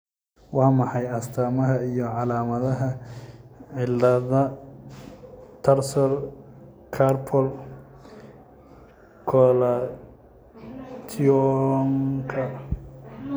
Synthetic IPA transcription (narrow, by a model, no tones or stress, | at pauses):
wɑːmɑħɑjɐst̪ʰaːmɐɦɐijɔʕɑlaːmɐðɐɦɐ | ʕɪlːɐðɐ | t̪ʰɐrsɔr | kʰarpʰɔl | kʰɔla | t̪ʰiɔŋkʰɐ